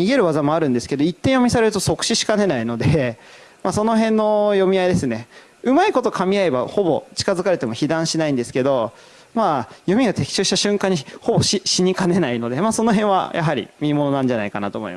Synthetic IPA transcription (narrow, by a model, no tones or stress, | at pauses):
ɲiɡe̞ɾɯ̟βazamo̞aɾɯ̟̃nd̪e̞sɨ̥ke̞d̪o̞it̪ːẽ̞ɰ̃jo̞mʲisaɾe̞ɾɯ̟t̪oso̞kɯ̟̥ɕiɕi̥kane̞naino̞d̪e̞ | maso̞noɦẽ̞nːo̞jo̞mʲiaid̪e̞sɨne̞ | ɯ̟maiko̞t̪o̞kʰamʲiae̞ba̰ho̞bo̞t͡ɕi̥kazɨkaɾe̞t̪e̞mo̞çid̪ãɰ̃ɕinaĩnd̪e̞sɨ̥ke̞d̪o̞ | majo̞mʲiɡat̪e̞kʲi̥ɕoːɕi̥t̪aɕɨ̃ŋkãɲ̟ːiho̞bo̞ɕiɕiɲ̟ikane̞naino̞d̪emaːso̞no̞ɦẽ̞ɰ̃βa̰ja̰ɦaɾʲḭmʲimo̞no̞nãɲ̟d͡ʑanaikanat̪oːmoḭmas